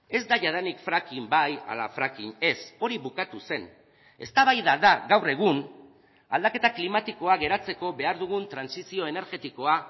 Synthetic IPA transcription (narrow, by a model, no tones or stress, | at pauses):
e̞zd̪aʝaðanikfɾakimbaja̰la̰fɾakine̞so̞ɾiβukat̪use̞n | e̞st̪aβajðaðaɣawre̞ɣ̞un | ald̪ake̞t̪aklimat̪iko̞aɣe̞ɾat͡se̞ko̞βe̞aɾðuɣ̞unt̪ɾansisio̞e̞ne̞ɾɣe̞t̪iko̞a